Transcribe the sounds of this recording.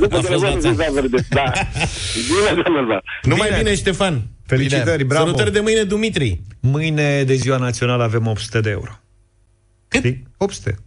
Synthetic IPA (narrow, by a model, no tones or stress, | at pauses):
nuazazaveɾd̪ed̪a | bined̪anazanumajbineʃt̪e̞fanfelitt͡ʃ̪iəɾʲbɾaɐlut̪əɾʲd̪e̞mɨjne̞d̪umit̪ɾimɨjne̞d̪e̞ziwanat̪sio̞naləave̞mopt̪su̥t̪ed̪eeṵɾo | k̪iopsu̥t̪ḛ